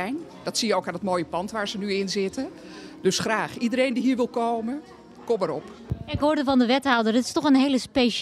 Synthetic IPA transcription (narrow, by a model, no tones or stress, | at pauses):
jndɑtsijəowkaːndətmoːjəpɑntʋaːɹzənyɪnzɪtə | døsχraːχidəɾejndiɦiːɹʋɪlˠkowmə | kɔməɾɔp | ɪkɦoːɹdəvɑndəʋɛtɦɔwdərətɪ̥stɔχənɦejləspejʃ